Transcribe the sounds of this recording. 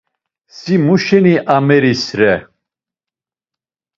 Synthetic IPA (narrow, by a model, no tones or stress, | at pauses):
simuʃɛniʔamɛɾisɾɛ